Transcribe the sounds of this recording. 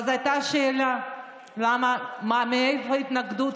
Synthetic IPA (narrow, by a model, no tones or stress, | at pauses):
azajt̪aʃeːla | lamamameefait̪naɡd̪ut